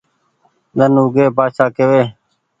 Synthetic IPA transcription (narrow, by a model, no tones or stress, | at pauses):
d̪ənuːɡeːbaːʃaːkeʋeː